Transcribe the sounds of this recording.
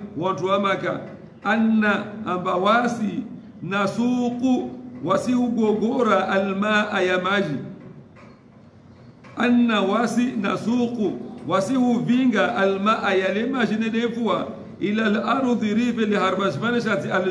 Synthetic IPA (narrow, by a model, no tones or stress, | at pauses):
wantuwamaka̰ | ʔanːaːmbawasi | nasuquwasihuɡɔɡɔɾaʔalmaʔajamad͡ʒi | ʔanːawasina̰sukuwasihuviŋɡaʔalmaʔajalɛmaʒinɛɗɛfuwa | ʔilalaɾdiɾifɛlihaɾbaʃfaniʃ̬atial